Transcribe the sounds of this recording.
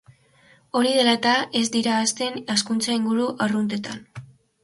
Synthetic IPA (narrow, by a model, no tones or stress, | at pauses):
o̞ɾiðe̞lat̪ae̞zd̪iɾaːst̪e̞naskunt͡saiŋɡuɾuʔarunt̪et̪an